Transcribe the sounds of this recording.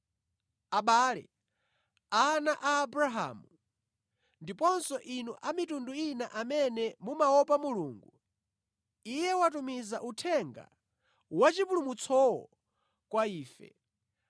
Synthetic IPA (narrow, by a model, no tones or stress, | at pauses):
aɓaːlɛ̰ | anaʔaːbɾaɦa̰ːmu | ndipɔnsɔʔinuʔamitunduinaʔamɛnɛmumaɔp̬amuluːŋɡu | ijɛwat̬umizaʔutʰɛŋɡa̰ | wat͡ʃipulumut͡sʰɔwɔ̰ | kwaiːfɛ̰